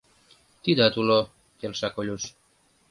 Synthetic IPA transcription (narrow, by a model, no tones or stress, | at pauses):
t̪id̪at̪ulo | kelʃakolʲuʃ